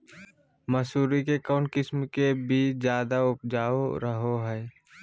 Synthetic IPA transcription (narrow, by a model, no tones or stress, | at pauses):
məsuːɾikekaːʊɳʈkɪsmkebʱizjaːd̪aʊp̚d͡ʒaːoɾəɦoɦɛː